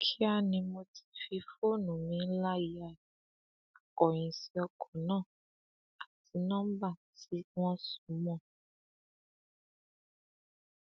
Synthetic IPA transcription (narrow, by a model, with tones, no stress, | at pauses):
kʰi˦a˦nĩ˧mo˧ti̥˨fi˧fo˦˨nũ˨mĩ˨˧˦la˦ji˨a˨ | a˨kɔ˨ɲĩ˨si˦ɔ˧kʰɔ˨nã˦˨ | a˨ti˨˦nã˦m˦ba˦˨ti˨˦ŋɔ̃˦su̥˨˦mɔ̃˦˨